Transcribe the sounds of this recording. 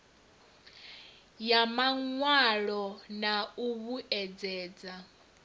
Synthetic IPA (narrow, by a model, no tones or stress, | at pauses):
jamaŋwaɺɔnauβuʔɛd͡zɛːd͡za